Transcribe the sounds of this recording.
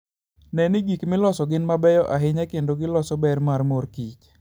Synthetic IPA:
nɛnɪɡikmɪlɔsɔɡɪnmabɛjɔʔaɦɪɲakendoɡɪlɔsɔbɛrmarmorkit͡ʃ

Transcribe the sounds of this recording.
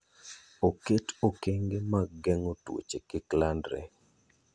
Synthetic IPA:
oketokeŋɡemaɡɛŋotwo̰t͡ʃekɪklandɾɛ̰

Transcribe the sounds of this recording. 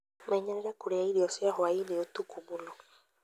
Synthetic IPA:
maiɲaɾɛɾakuɾeaiɾiɔsiahɔaineut̪ukʰumulɔ

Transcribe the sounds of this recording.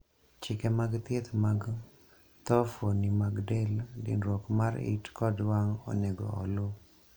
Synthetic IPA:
t͡ʃɪkɛmaɡt̪et̪maɡ | t̪ɔfonimaɡdɛldḭnɾɔkmaɾḭtkɔdwaŋɔ̰nɛɡɔ̰ɔ̰lo

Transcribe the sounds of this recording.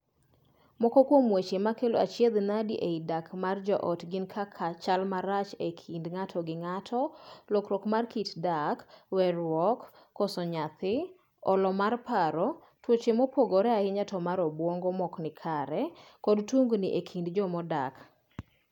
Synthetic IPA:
mɔkɔkwomwet͡ʃemakelo̰a̰t͡ʃjed̪nadiʔeidakmard͡ʒɔʔɔtɡɪnkʰakʰat͡ʃalmaɾat͡ʃekʰindŋatʰɔɡɪŋatʰɔlɔkɾɔkmarkitdakwɛrwɔkː | ɔsɔɲat̪ɪ | ɔlɔmarpaɾɔ | twot͡ʃemɔpoɡɔɾɛaɪɲatɔmaɾɔbwɔŋɡɔmɔknɪkʰaɾɛkɔdtuŋɡnɪʔekʰindd͡ʒɔmɔda̰k

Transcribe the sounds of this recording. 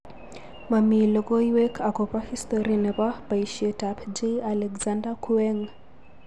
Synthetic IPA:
mamilɔɡɔiwɛkʰakɔpahistɔɾinɛpapaiʃietapd͡ʒealɛkzandakʰuɛŋ

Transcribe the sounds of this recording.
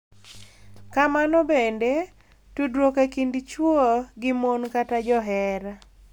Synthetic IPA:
kamanɔbende | tudɾwokekindt͡ʃwoɡɪmonkatad͡ʒɔɦɛɾa

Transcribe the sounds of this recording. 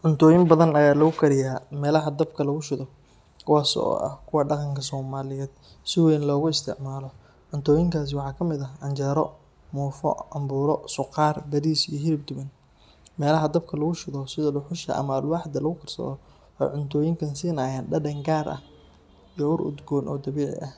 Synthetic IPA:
ʕʊnt̪ʰɔːjɪmbɐðɐnɐjaːlɐɣʊkʰɐɾɪjaːmɛːlɐɦɐd̪ɐbkʰɐlɐɣʊʃɪðɔ | kʰʊwaːsɔ̰ɔ̰ʔɐ̰kʰʊwɑːɖɑqɑŋkʰɐsɔːmaːlɪjɛːd̪̥̚ | sɪwɛːnlɔːɣʊɪst̪ʰɪ̰ʕmaːlɔ | ʕʊnt̪ʰɔːjɪŋkʰaːs̬ɪwɑħɑːkʰɐmɪðɐɐnt͡ʃɛːɾɔ | muːfɔ̰ʕɑmbuːɾɔsʊqɑːrbɐðiːsijɔɦɪɾɪb̚d̪ʊβɐn | mɛːlɐɦɐd̪ɐb̚kʰɐlɐɣʊʃɪðɔsɪðɔlʊħʊʃɐ̰ʔɐ̰mɐɐlwɑħd̪ɐlɐɣʊkʰɐrsɔ̰ɔ | hɛ̰jʕʊnt̪ʰɔːjɪŋkʰɐnsiːnaːjaːnɖɐdɐŋɡaːrʔɐ̰h | ijɔʊɾʊ̰d̪ɡɔːnʔɔ̰ːd̪ɐβɛːʕɪ̰ʔɐh

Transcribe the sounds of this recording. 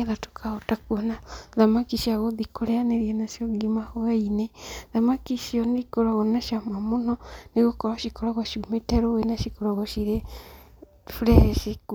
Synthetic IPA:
eðato̥kʰaɔtakuɔnaðamakiʃiaɣoðikoɾeaneɾiɛnaʃjɔɡimahoɛineðamakiʃiɔnekoɾaɣɔnaʃiamamonɔneɣokɔɾaʃikoɾaɣɔʃiumetɛɾowenaʃikoɾaɣɔʃiɾe | fɾɛʃek

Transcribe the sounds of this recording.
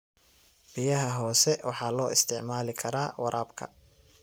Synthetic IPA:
b̥ɪjɐɦɐɦɔːsɛwɑ̰ħɑːlɔːɪst̪ʰɪʕmaːlɪkʰɐɾaːwɑɾʔaːbkʰɐ̰

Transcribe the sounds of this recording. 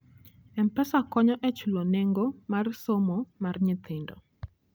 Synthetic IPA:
ɛmpɛsakɔɲɔʔɛt͡ʃuloneŋɡomarsomomarɲɪt̪ʰɪndɔ̰

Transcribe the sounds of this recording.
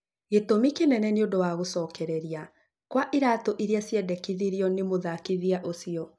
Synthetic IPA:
ɣetomikenɛnɛneodowaɣosɔːkɛɾɛɾia | kwaʔiɾatɔʔiɾeasjɛdɛkiðiɾjɔnemoðakiðiaʔosiɔ

